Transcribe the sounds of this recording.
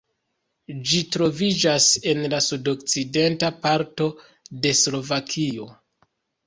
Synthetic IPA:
d͡ʒitɾo̞vid͡ʒase̞nlasudo̞k̚t͡side̞ntapaɾto̞ | de̞slo̞vakʰio̞

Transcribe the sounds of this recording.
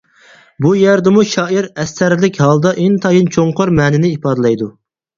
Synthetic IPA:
bujæɾd̪ɪmuʃɑːiɾɛsːæɾlɪkʲɦɑlˠd̪ɑʔɪnt̪ʰɑjint͡ʃʰoɴqʰoɾmɛːnɪnɪipɑːd̪ɨlˠɑjd̪u

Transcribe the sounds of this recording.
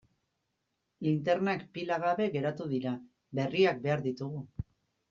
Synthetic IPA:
int̪e̞ɾnakpilaɣaβe̞ɣe̞ɾat̪uðiɾa | βe̞riak̚be̞aɾðit̪uɣu

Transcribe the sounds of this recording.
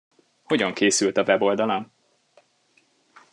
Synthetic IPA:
ho̞ɟɒŋkeːsylt̪ɒvɛbo̞ld̪ɒlan

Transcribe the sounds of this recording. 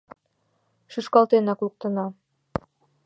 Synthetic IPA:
ʃyʃkɑlˠt̪enɑkulˠɤ̆k̚t̪ɤ̆nɑ

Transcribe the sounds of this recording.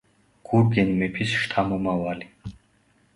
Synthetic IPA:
kʰuɾkenmepʰisʂt̪ʰamomawali

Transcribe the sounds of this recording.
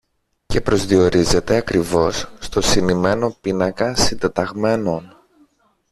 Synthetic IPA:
ce̞pɾo̞zðio̞ɾize̞t̪e̞ɐkɾivo̞sːt̪o̞sinime̞no̞pinɐkɐsind̪et̪ɐɣme̞no̞n

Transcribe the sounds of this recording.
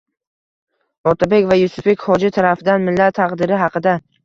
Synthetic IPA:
ɒt̪ʰabe̞kʲvajʊsʊfe̞kʲhɒd͡ʒɪt̪ʰaɾafɪd̪anmɪlːat̪ʰːɑqd̪ɪɾɪɦɑqʰɨd̪a

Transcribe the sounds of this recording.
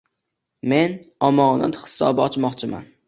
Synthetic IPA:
me̞nɒmɒːna̰t̪hɪ̥sɒ̰bɪɒt͡ʃmɒqt͡ʃʰɪma̰n

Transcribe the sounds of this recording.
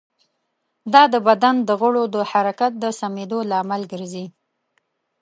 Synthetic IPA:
d̪ɑd̪əbad̪and̪əɣʊɽod̪əhaɾakat̪̚d̪əsamed̪olaːmalɡəɾzi

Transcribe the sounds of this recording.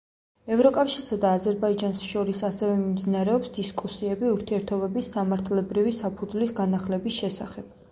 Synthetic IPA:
ɛvɾɔkʼafʃiɾsad̪aːzɛɾbaid͡ʒansʃɔɾisasɛvɛmimd̪inaɾɛɔpsd̪iskʼusiɛbiuɾt̪ʰiɛɾt̪ʰɔbɛbisːamaɾt̪ʰlɛbɾivisapʰud̪zlisɡanaχlɛbisʃɛsaχɛb̥̚

